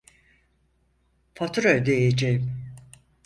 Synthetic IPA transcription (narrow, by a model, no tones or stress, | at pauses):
fat̪ʰuɾøjd̪ejed͡ʒejim